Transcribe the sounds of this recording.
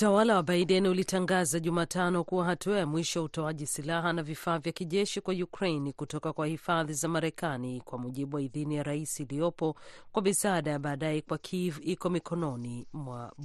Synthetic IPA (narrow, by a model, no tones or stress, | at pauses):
utawalawaɓaiɗɛniulitaŋɡazaʄumaːtanɔkuwaɦatuajamwiʃɔjautɔaʄisilaɦanavifaːvjakiʄɛʃikwajukɾejnikutɔkakwahifaðizamaɾɛkanikwamuʄiɓuwaiðinijaɾaisiːliɔpɔkwamisaɗajaɓaːɗajɛkwakʰivikɔmikɔnɔnimwa